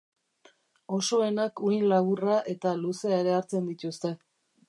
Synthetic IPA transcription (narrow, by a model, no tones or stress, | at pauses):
o̞so̞e̞nakujnlaβuraʔe̞t̪aluse̞aeɾe̞aɾt͡se̞nd̪it̪ust̪e̞